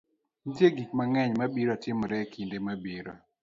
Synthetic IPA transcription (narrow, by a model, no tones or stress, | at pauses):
ndjeɡikmaŋɛɲmabiɾɔtɪmɔɾɛkʰindemabiɾo̰